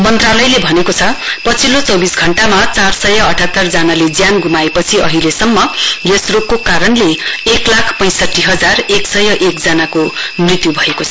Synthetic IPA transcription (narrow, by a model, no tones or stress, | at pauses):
mʌnt̪ralʌjlebʱʌnekot͡sʰʌpʌt͡sʰilot͡sʌwbisɡʱʌɳʈamat͡sarsʌjʌʌʈʰat̪ːʌrd͡zanaled͡zjanɡʱumaepʌt͡sʰiʌ̰ɦilesʌmːʌjesrokkokaɾʌnleeklakʰpʌj̃sʌʈːiɦʌd͡zareksʌjʌʔekd͡zʌnakomrit̪jubʱʌekot͡sʰʌ